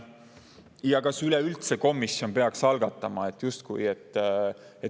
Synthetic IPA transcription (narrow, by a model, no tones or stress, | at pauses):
jɑkɑsylɛylt̪seko̞mːisːjo̞npe̞ɑksɑlɡ̥ɑt̪ːˑɑmɑe̞t̪ːˑjust̪kujet̪ːˑ | e